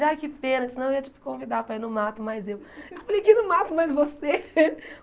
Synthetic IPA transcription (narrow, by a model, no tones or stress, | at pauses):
ajkɪpẽnɐsnɐ̃eiɐt͡ʃi̥pʊ̥kõvid̪apɾɐinʊ̃mat̪ʊmajzewewfalejkɪnʊ̃mat̪ʊmajzvose